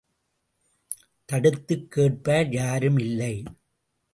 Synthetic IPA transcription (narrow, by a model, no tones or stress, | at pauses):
t̪ɐɽɯt̪ːɯkːeːʈ̚paːɾjaːɾɯmɪlːɐɪ